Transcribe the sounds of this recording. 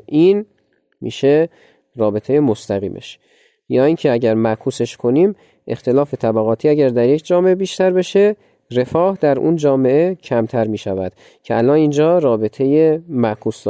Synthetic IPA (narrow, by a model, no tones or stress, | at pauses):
ʔiːn | mḭːʃe | rɒːbet̪ʰe̞jemost̪æɣḭːmʔḛʃ | jɒːincʰeæɟæɾmækʰuːse̞ʃkʰo̞niːm | ʔe̞xt̪ʰe̞lɒːfe̞t̪ʰæbæɣɒːt̪ʰiːæɟæɾd̪æɾje̞cʰd͡ʒɒːme̞ʔebiːʃt̪æɾbe̞ʃe̞ | re̞fɒːhd̪æɾʔṵnd͡ʒɒːme̞ʔecʰæmt̪ʰæɾmiːʃævæd̪̥ | cʰeælɒːnind͡ʒɒːɾɒːbe̞t̪ʰe̞jemæʔkʰuːsd̪